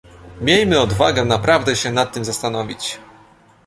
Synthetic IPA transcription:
mʲjejmɘɔd̪va̰ɡɛnapɾavd̪ɛɕɛnat̪ːɘmzast̪anɔvʲit͡ɕ

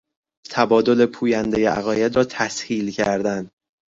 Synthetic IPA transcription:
t̪ʰæbɒːd̪o̞le̞pʰuːjænd̪ejeʔæ̰ɣɒːjed̪ɾɒːt̪ʰæshiːlcʰæɾd̪ænd̪

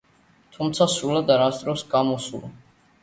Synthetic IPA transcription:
t̪ʰumt̪sʰasɾulad̪aɾasd̪ʼɾɔsɡamɔsulɔ̰

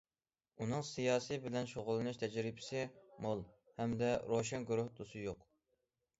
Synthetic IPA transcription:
unɨŋsijɑːsɨbɪlɛnʃoʁʊlˠɨnɨʃt̪ʰɛd͡ʒɾɪbɪ̥sɪmolˠ | hɛmd̪ɛɾoʃɛnɡuɾʊhd̪osɨjoq

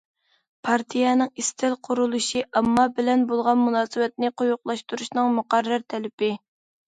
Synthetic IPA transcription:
pʰɑɾt̪ʰijɛnɨŋist̪ʰɪlqʰʊɾulˠuʃiʔɑmːɑbɪlɛnbolˠʁɑnmunɑːsɨwɛt̪̚nɪqʰʊjʊqlˠɑʃt̪uɾuʃnɨŋmuqæɾːæɾt̪ʰɛlɪpɪ

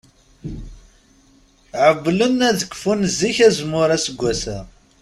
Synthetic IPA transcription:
ʕəvːlənæðəkʷːfunzːiçæzmːʊɾæsəɡʷːæsæ

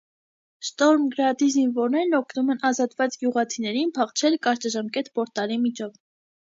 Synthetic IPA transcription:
ʃt̪ɔɾmɡəɾɑd̪izinvɔɾnɛɾnɔkʰnumɛnɑzɑt̪vɑt͡sɡjuʁɑt͡sʰinɛɾinpʰɑχt͡ʃʰɛlkɑɾt͡ʃɑʒɑmkɛt̪pɔɾt̪ɑlimit͡ʃʰɔv

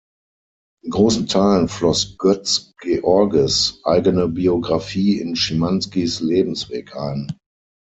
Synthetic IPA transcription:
ɪnɡʁoːsn̩tʰaɪlənflɔsɡ̥œt͡sɡ̥eʔɔɐɡəsʔaɪɡənəbioɡʁafiːɪnʃimanskisleːbm̩sv̥eːkʔa̰ɪn

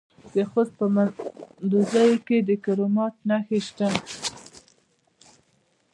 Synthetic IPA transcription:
d̪əxospəmad̪uzɑjoked̪əkaɾomɑt̪̚naxeʃt̪a

